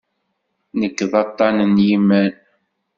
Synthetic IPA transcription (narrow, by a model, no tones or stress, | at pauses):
nəkːðˤɑt̪ˤːɑnənjimən